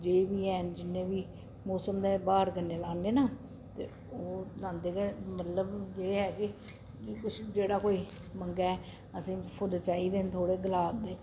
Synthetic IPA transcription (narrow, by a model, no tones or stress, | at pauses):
d͡ʒeːʋiːɦɛːnd͡ʒɪnːẽːbiː | mɔːsəmd̪eːbaːəɾkəɾnːeːlaːnːeːnaː | t̪ḛː | oːlãːnd̪eːɡɛːmət̪ləbeːɦɛːkɪ | kʊt͡ʃʰd͡ʒeːɽaːkoːiːməŋɡaːɛ | əsĩːpʰʊlt͡ʃaːiːd̪eːnt̪ʰoːɽeːɡəlaːt̪d̪eː